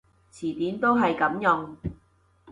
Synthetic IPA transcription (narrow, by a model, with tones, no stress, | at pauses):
t͡sʰiː˨˩t̪iː˨˥nt̪o˥wɦɐ˨jkɐ˨˥mjʊ˨˧ŋ